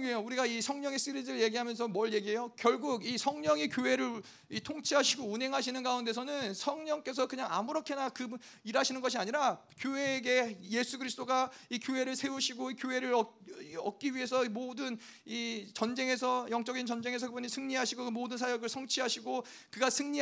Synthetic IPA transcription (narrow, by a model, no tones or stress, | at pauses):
ɡejouɾiɡaisʰʌŋɲʌŋe̞s͈ɯɾid͡ʑɯɭje̞ɡiɦamjʌns̬ʰʌmʌɭje̞ɡiɦejokjʌɭɡuɡisʰʌŋɲʌŋikjoɦe̞ɾɯɭ | itʰoŋt͡ɕʰiɦaɕʰiɡounɦe̞ŋɦaɕʰinɯnɡaunde̞sʰʌnɯnsʰʌŋɲʌŋk͈e̞s̬ʰʌkɯɲaŋa̰muɾʌkʰe̞nakɯ | iɾɦaɕʰinɯnɡʌɕ̬ʰiaɲiɾa | kjoɦe̞ːɡe̞je̞sʰuɡɯɾisɯ̥t͈oɡaikjoɦe̞ɾɯɭsʰe̞uɕʰiɡoikjoɦe̞ɾɯɾʌʌk̚k͈iɥie̞sʰʌimodɯn | it͡ɕʌnd͡ʑe̞ŋɦe̞s̬ʰʌjʌŋt͡ɕ͈ʌɡint͡ɕʌnd͡ʑe̞ŋɦe̞s̬ʰʌkɯbuɲisʰɯŋɲiɦaɕʰiɡokɯmodɯnsʰajʌɡɯɭsʰʌŋt͡ɕʰiɦaɕʰiɡo | kɯɡasʰɯŋɲi